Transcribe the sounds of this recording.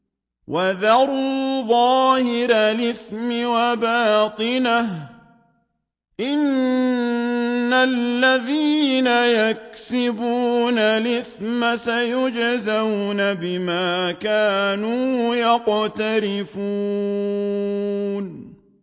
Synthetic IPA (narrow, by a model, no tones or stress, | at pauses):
waðɑɾuðˤɑːhɪɾalɪθmɪwabaːt̪ˤɨnah | ʔɪn | alːaðiːnajak̚sɪbuːnalɪθmasajʊd͡ʒzawnabɪmaːkaːnuːjɑqt̪aɾɪfuː | n